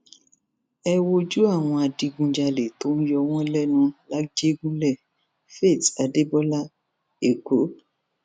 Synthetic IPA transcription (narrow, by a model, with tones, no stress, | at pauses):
ɛ˦wo˧d͡ʒu˦a˦˨w̃ɔ̃˧a˨di˧ɡũ˧d͡ʒa˧le˨to˦nũ˦jɔ˧wɔ̃˦lɛ˦nũ˧la˦d͡ʒe˦ɡũ˦lɛ˦˨ | fe˦˨ta˨de˦bɔ˦la˦ | e˨ko˨˦